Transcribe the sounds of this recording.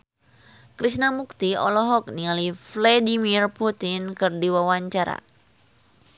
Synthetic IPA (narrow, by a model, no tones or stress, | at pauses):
kɾisnamuk̚t̪iɔ̰lɔɦɔk̚niŋaliflɛdimirput̪ɪnkɨrdiwawaɲt͡ʃaɾa̰